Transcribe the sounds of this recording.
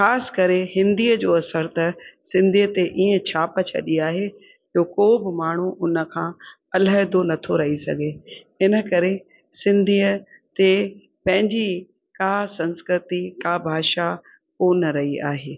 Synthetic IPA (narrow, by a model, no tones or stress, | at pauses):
xaːsɪ̥kɐɾehɪ̃nd̪iːəd͡ʑoːɐsəɾt̪ɐsɪ̃nd̪ʱiːət̪eʔiːə̃t͡ɕʰaːpət͡ɕʰɐ̰ɗiaːɦe | d͡ʑoːkoːbɪmaːɳ̤uʔʊnə̆kʰãː | ɐlaɦɪd̪onɐt̪ʰoɾɐɦisɐ̰ɡʱe | ɪnə̆kɐɾe | sɪ̃nd̪ʱiːə | t̪e | pɐ̃ɦɪ̃ɲd͡ʑi | kaːsɐ̃nskɾɪt̪ikabʱaːʃa | koːnɾɐɦia̰ːɦeː